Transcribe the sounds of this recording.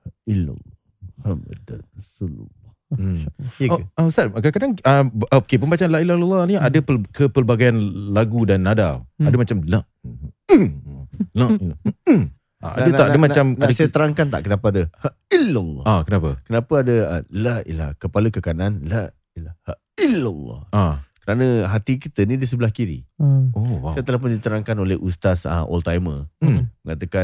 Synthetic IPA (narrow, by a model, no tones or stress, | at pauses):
ila̰l | mhamə̰d̪rasulṵlːɔ | ausatkakadaŋəokepənmbat͡ʃaanlaʔilahilalˤːɑhniadəpəkəpəlbaɡajanlaɡudanːadawadəmat͡ʃamlaʔ | lail | a̰dəaʔdəmat͡ʃamadəsajat̪əɾaŋkant̪a̰ʔkənapəadəha | ilːɔlakənapəkənapəadəəlaḭla̰kəpaləkəkananla | ilaha | iləlːɔ̰akəɾanəɦat̪ikit̪ənĩdis̬əbəlahkiɾḭosajat̪əlahp̬ʊndit̪əɾaŋkanolehʔust̪asa̰ʔɔ̰lt̪ajməəŋat̪əka